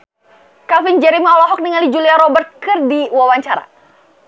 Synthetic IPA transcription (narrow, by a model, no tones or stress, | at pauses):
kafind͡ʒɛɾimiɔlɔɦɔk̚niŋalid͡ʒuliaɾɔbərt̪̚kɨrdiwawaɲt͡ʃaɾa̰